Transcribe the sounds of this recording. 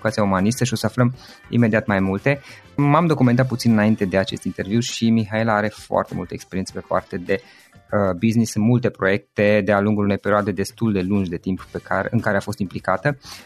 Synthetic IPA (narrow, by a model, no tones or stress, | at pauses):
ukat̪siaumanist̪əʃio̞səafləm | ḭme̞d̪iat̪majmult̪e̞ | mamd̪o̞kument̪at̪̚put̪sinɨnaint̪e̞d̪e̞at͡ʃe̞st̪int̪e̞rviwʃimiɦaelaaɾe̞foa̰rt̪e̞̰mult̪əekspeɾient̪sepe̞pa̰rt̪e̞d̪e̞ | əbiznisɨnmult̪e̞pɾo̞je̞k̚t̪e̞d̪ealuŋɡulune̞jpe̞ɾioad̪e̞d̪e̞st̪uld̪e̞lund͡ʒd̪e̞t̪imppekaɨŋkaɾeafo̞st̪implikat̪ə